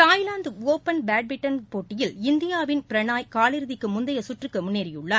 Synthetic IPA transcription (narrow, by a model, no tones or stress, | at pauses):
t̪aːjlaːnd̪ɯoːpɐnbaːɖ̚bɪʈːɐnpoːʈːɪjɪlɪnd̪ɪjaːʋɪnpɪɾɐɳaːjkaːlɪɾɯðɪkːɯmʊnd̪ɐjɐsʊʈrɯkːɯmʊnːeːɾɪjɯɭːɐː